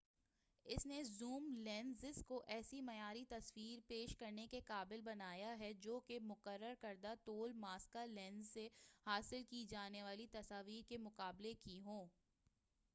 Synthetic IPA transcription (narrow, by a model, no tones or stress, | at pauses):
ɪsnezuːmlɛ̃ːnzɪskoʔɛːsimɐjaːɾit̪ɐsʋiːɾpeːʃkɐɾnekekaːbɪlbɐnaːjaɦɛd͡ʒoːkemʊqəɾːəɾkɐɾd̪at̪oːlmaːskalɛ̃ːnzːehaːsɪlkid͡ʒaːneʋaːlit̪ɐsaːʋiːɾkemʊqaːblekiɦõː